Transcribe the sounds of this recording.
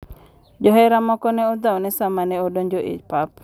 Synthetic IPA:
d͡ʒɔɦɛɾamɔkɔnɛɔd̪awnɛsamanɛodoɲd͡ʒoʔḭt͡ʃpap

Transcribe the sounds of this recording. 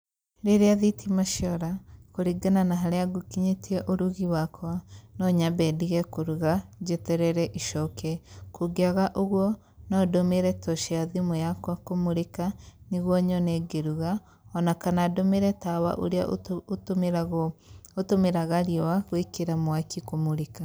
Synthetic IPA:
ɾeɾeaðitʰimaʃjɔɾakoɾiɡananaɦaɾeaɡukiɲetʰiɛʔoɾuɣiwakʰwanɔɲabɛdiɣɛkoɾuɣad͡ʒetɛɾɛɾɛʔiʃɔkɛkoɡeaɣaʔoɣwɔ | nɔdomeɾɛtɔʃeaðimojakwakomoɾekaniɣwɔɲɔnɛɡeɾuɣa | ɔnakanadomeɾɛtawa̰ʔo̰ɾea̰ | otomeɾaɣaɾiɔwaɣwekeɾamwakikomoɾeka

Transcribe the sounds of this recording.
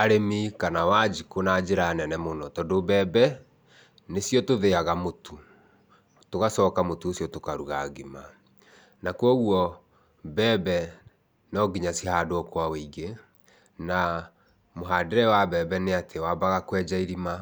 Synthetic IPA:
aɾemikanawad͡ʑikonad͡ʒeɾanɛnɛmonɔtɔdobɛbɛ | nesjɔtoðeaɣamotʰu | toɣasɔkamotuosjɔtokaɾuɣaɡima | nakwɔɣuɔ | bɛbɛ | nɔɡiɲasihadoɔkwaweiɡe | na | moɦadeɾɛwabɛːbɛneatʰewabaɣakwɛd͡ʒaiɾima

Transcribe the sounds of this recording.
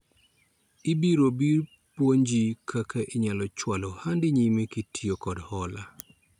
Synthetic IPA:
ɪbiɾobir | pwoɲd͡ʒikʰakaʔɪɲalɔt͡ʃwalɔhandɪɲimekitʰiokɔdhɔla

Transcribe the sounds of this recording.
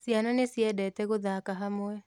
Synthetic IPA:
sjananesjɛdɛtɛɣoðakaɦamoɛ

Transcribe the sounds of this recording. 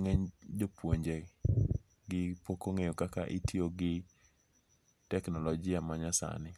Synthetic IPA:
ŋɛɲd͡ʒopwoɲd͡ʒe | ɡɪpokoŋejokakaʔɪtʰioɡɪ | tɛknɔlɔd͡ʒɪamaɲasa̰nɪ

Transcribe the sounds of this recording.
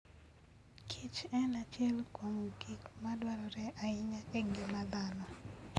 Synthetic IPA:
kʰit͡ʃɛnat͡ʃjɛlkwoŋoɡikmadwaɾɔɾɛʔaɪɲakɛɡɪmad̪anɔ

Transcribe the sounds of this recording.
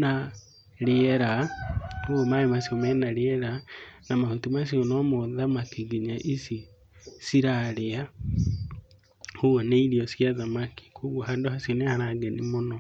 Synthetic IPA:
na | ɾeɛɾa | oɔmaemasiɔmɛnaɾeɛɾanamahutimas̬jɔnɔmoðamakiɡeɲaʔisi | siɾaɾea | hoɔneiɾiɔsjaðamaki̥kwoɣwohandohasjonehaɾaɡɛnimonɔ

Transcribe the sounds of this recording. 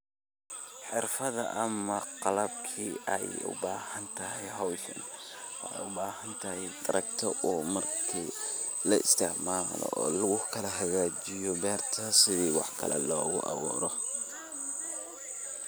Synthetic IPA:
ħɪrfɐðɐ̰ʔɐmɐqɑlɐbkʰiːɛjʊ̰baːhɐnt̪ʰɐɦɛjɦɔwʃɐ̰nwjʊbaːhɐnt̪ʰɐhɛjt̪ʰʼɐɾʔɐk̚t̪ʰɔʔuːmɐrkʰiː | lɐɪ̰st̪ʰɪʕmaːlɔ̰ɔːlʊɣʊkʰɐlɐɦɐɣaːt͡ʃɪjɔbɛːrt̪ʰɐsɪðiːwɑħkʰɐ̰lɛ̰lɔːɣʊʔɑ̰wɔ̰ːɾɔ

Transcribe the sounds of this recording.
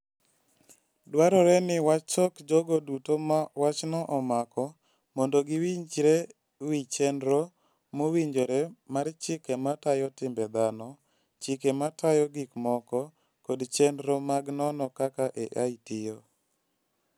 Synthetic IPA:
dwaɾɔɾɛnɪwat͡ʃɔkd͡ʒoɡodutoawat͡ʃnɔʔɔmakɔ | mondoɡɪwiɲd͡ʒɾɛ | wit͡ʃɛndɾo | mowiɲd͡ʒoɾɛmaɾt͡ʃɪkɛmatajɔtɪmbɛd̪anɔ | t͡ʃɪkematajɔɡikmɔkɔ | kodt͡ʃɛndɾomaɡnɔnɔkakaʔɛʔaitijo

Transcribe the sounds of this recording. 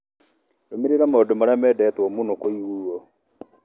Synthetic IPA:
ɾomiɾeɾamodomɔɾamɛdɛtwɔmunokoiwuɔ

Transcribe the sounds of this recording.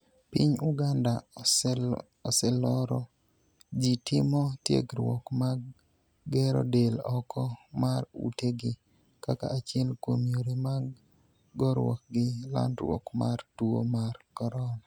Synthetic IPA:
pɪɲuɡanda | ɔsɛlɔɾɔ | d͡ʒitɪmɔtjḛɡɾwɔkmaɡ | ɡɛɾɔ̰delɔkʰɔmarṵteɡɪ | kaka̰at͡ʃɪɛlkwomjoɾema | ɡɔɾwɔ̰k̚ɡɪla̰ndɾwɔ̰kmartuo̰markɔɾɔna

